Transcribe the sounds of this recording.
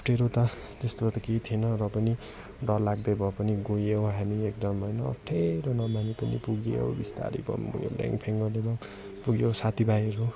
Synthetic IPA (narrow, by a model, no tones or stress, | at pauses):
ʌpʰʈʰeɾot̪ʌ | t̪est̪ot̪ʌkejt̪ʰienʌɾʌpʌni | ɖʌllaɡd̪ʌjbʱʌpʌniɡojewɦamiek̚d̪ʌmɦʌjnʌ̰ːpʰʈʰeɾʌnʌmanipʌnḭpuɡeo̰wbist̪a̰ɾḭbʌ̰mpṵɡjo̰la̰ŋɡpʰeŋɡʌrlebʌŋ | puɡjowsat̪ʰibajeɾo